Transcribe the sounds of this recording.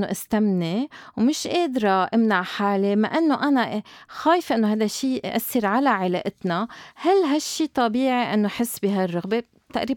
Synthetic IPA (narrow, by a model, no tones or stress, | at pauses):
oʔɪst̪amnewmɪʃʔeːd̪ɾɑʔɪmnaʕħaːlemaʔɪnːoʔanaʔxaːjɪfʔɪnːoɦaːjd̪aʃːiːʔa̰sːɪɾʕalaʕɪleːʔɪt̪nahalːɦaʃːiːt̪ˤɑbiːʕiʔɪnːoʔħɪsːbiːɦarːɑɣbe | t̪aʔɾiː